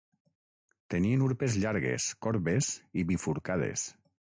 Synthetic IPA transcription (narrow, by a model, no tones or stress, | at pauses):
t̪enienuɾpezʎaɾɣḛskɔɾβeziβifuɾkað̞ḛs